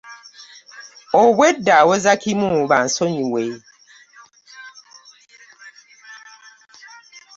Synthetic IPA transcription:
obwedawozakʰimũban̩soɲiwe

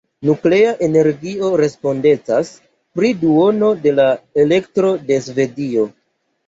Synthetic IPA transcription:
nukle̞aʔe̞ne̞ɾɡio̞ɾe̞spo̞nde̞t͡sas | pɾiduo̞no̞de̞lae̞le̞ktɾo̞de̞sve̞dio̞

